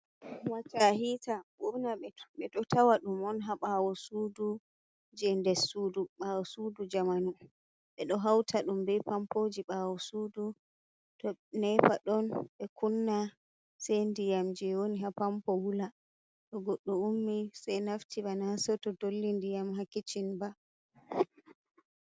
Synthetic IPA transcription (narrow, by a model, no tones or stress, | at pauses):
wat͡ʃaɦitaɓunaɛɓɛɗɔtʰawaɗumɔnɦaɓawɔsuːdu | d͡ʒɛndɛsuːduɓawɔsudud͡ʒamanu | ɓɛɗɔɦawtʰaɗumbɛpampod͡ʒiɓawɔsuːdu | tɔnɛpaɗɔnɓɛkʰunːa | sɛjndijamd͡ʒɛwoniɦapampɔwula | ɗɔɡɔɗːɔumːisajnaftʰiɓanasɔtɔdolːindijamɦakːit͡ʃinba